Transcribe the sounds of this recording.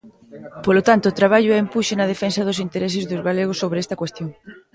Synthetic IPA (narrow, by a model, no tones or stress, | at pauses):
polot̪ant̪oːt̪ɾaβ̞aʎoɛempuʃenɐð̞efensɐð̞ʊsint̪eɾes̬ɪzðʊzɣaleɣ̞ʊsːoβɾɛst̪ɐkwest̪joŋ